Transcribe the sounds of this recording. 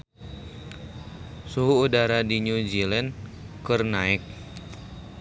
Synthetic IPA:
suɦuːdaɾadiɲud͡ʒilɛn | kərnaɪk̚

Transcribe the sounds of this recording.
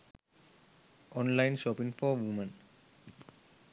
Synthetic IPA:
ɔ̃nlaɪnʃɔpĩŋfɔʋumə̃n

